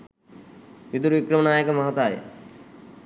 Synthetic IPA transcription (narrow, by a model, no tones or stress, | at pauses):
ʋid̪uɾʋikɾɐmɐnaːjəkɐmɐɦɐt̪aːjə̰